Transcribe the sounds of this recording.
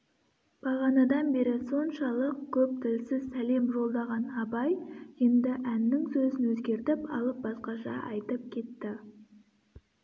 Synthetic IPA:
b̥ɑʁɑnɑd̪ɑnbe̞ɾɪso̞nʃɑlˠəq̚kʲʰɵp̚t̪ʰɪlsɪzsæle̞mʒo̞lˠd̪ɑʁɑnɑbɑjje̞nd̪ɪʔænːɪŋsɵzɪnwɵzɡʲe̞ɾt̪ɪpɑlˠəp̚bɑsqɑʃɑ̰ʔɑjt̪əp̚kʲʰe̞t̪ːɪ

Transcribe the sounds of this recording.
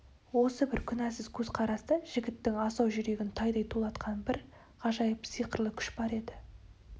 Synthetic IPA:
wo̞səbɪɾkʲʰʏnæsɪz̥kʲʰɵzqʰɑɾɑst̪əʒ̥ɪɡʲɪt̪ːɪŋɑsɑwʒʏɾe̞ɡʲɪnt̪ʰɑjd̪ɑjt̪ʰulˠɑt̪qʰɑnbɪɾ | qʰɑʒɑjəpsijqəɾlˠəkʲʰʏ̥ʃbɑɾe̞d̪ɪ

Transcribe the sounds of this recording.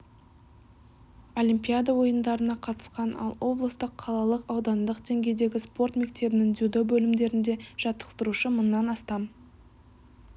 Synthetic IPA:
o̞lʲimpʲijad̪awo̞jənd̪ɑɾənɑqʰɑt̪ə̥sqɑnɑ̰lˠwʔo̞blˠəst̪əqʰːɑlˠɑlˠəqɑwd̪ɑnd̪əqd̪e̞ŋɡʲe̞jd̪e̞ɡʲɪspo̞rt̪me̞k̚t̪e̞bɪnɪŋd̪ud̪obɵlɪmd̪e̞ɾɪnd̪e̞ʒ̥ɑt̪ə̥qt̪əɾuʃəmʊnːɑnɑst̪ɑm

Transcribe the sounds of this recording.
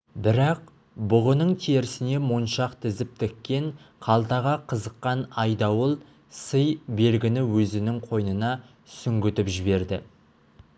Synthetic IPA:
bɪɾɑq̚ | bʊʁənəɴt̪ʰeɾɪsɪne̞monʃɑqt̪ʰɪzɪp̚t̪ʰekʲːe̞ɴqʰɑlˠt̪ɑʁɑqʰəzəqːɑnɑjd̪ɑwəlˠ | səjbe̞lɡʲɪnɪwɵzɪnɪŋqʰo̞jnənɑ | sʏŋɡʲʏt̪ɪpʒɪβe̞ɾd̪ɪ

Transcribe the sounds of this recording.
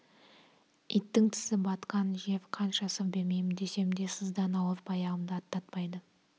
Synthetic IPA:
it̪ːɪŋt̪ʰɪ̥sɪbɑt̪qɑnʒe̞fqʰɑnʃɑsəvbe̞ɾme̞jmɪnd̪e̞se̞mnd̪e̞səzd̪ɑnɑwəɾpʰɑjɑʁəmd̪əɑt̪ːɑt̪̚pɑjd̪ə

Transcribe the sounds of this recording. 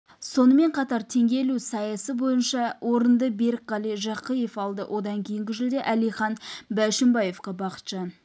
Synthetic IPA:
so̞nəme̞ɴqʰɑt̪ɑɾt̪ʰe̞ŋɡʲe̞lusɑjɑsəbo̞jənʃɑwʔo̞ɾənd̪əbe̞ɾkʁɑlˠijʒɑqəjefɑlˠd̪ə̰wʔo̞d̪ɑŋkʲʰejɪŋɡʲɪʒɪld̪e̞ʔælijχɑnbæʃɪmbɑje̞fqɑbɑqə̥t̪ʃɑn

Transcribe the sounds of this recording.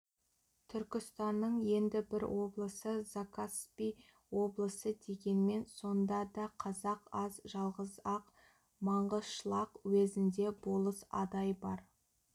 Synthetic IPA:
t̪ʰʏɾkʲɪst̪ɑnːəɴje̞nd̪ɪbɪɾwo̞blˠəsəzakʰaspij | wo̞blˠəsəd̪e̞ɡʲe̞nme̞nso̞nd̪ɑd̪ɑqʰɑzɑqɑzʒɑlˠʁəzɑq | mɑɴʁəzʃəlˠɑqwezɪnd̪e̞bo̞lˠəsɑ̰d̪ɑjbɑɾ

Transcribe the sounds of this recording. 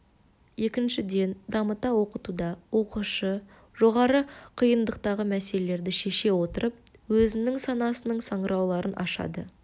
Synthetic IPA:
je̞kʲɪnʃɪd̪e̞nd̪ɑmət̪ɑwo̞qət̪ud̪ɑwo̞quʃə | ʒ̥o̞ʁɑɾəqʰijənd̪əq̚t̪ɑʁəmæse̞lele̞ɾd̪ɪʃe̞ʃe̞wo̞t̪əɾʔəp̚wɵzɪnɪŋsɑnɑsənəɴsɑɴəɾɑwlˠɑɾənʔɑ̰ʃɑ̰d̪ə

